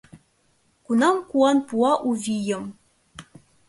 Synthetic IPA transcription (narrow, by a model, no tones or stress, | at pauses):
kunɑmkuɑnpuɑʔuvʲijɘ̆m